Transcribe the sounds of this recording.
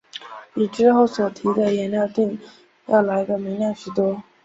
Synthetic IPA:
i˨˩ʈ͡ʂɻ̩˥xo˥˩ʊswɔ˨˩t̪ʰi˧˥d̪ə˧jɛ˧˥nljɑ˥˧ʊt̪i˥˧ŋ | jɑ̰˥˩ʊla˧˥ɪɡ̪ə˧mi˧˥ŋljɑ˥˩ŋɕy˨˩t̪wɔ˥

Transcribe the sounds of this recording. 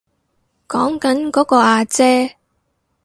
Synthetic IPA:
kɔː˨˥ŋkɐ˨˥nkɔː˨˥kɔː˧aː˧t͡sɛː˥

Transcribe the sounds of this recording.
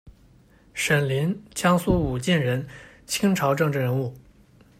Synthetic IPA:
ʂə˨˩nli˧˥nt͡ɕʰjɑ˥ŋsu˥u˨˩t͡ɕi˥˩nɻə˧˥n | t͡ɕʰi˥ŋʈ͡ʂʰɑ˧˥ʊʈ͡ʂɤ˥˧ŋʈ͡ʂɻ̩˥˩ɻə˧˥nu˥˩

